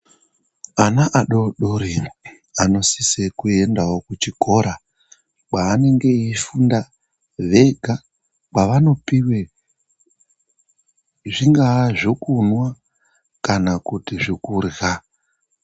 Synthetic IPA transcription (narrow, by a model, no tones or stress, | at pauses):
anaʔaɗoɗoɾi | ano̞sisekue̞ndawokut͡ʃiko̞ɾa | k͡pwaːne̞ŋɡe̞ifunda | ʋe̞ɡʱa | kwaʋano̞piwe | ʐiŋɡaʐokunwa | kanakutiʐikurɣa